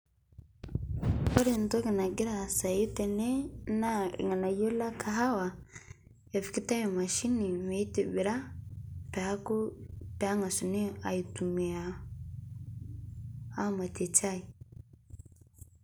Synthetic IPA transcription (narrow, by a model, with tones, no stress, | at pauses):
ɔ˦ɾi˨nto˦ki˨na˨ɡi˦ɾa˨sa˨ji˦tɛ˨ne˦na̰˦˨ŋa˨na˨jo˦la˦kʰa˨ɦa˦wa˨ | e˨fi̥˨ki˦ta˦jɔ˨ma˨ʃi˦ni˨me˦i˦te˨βi˨ɾa˦pe˨a˦ku˦pɛ˨a˦ŋa˨su˨ni˦a˨i˨tu˨mi˨a˨ | a˦ma˨ti˨t͡ʃa˦i˨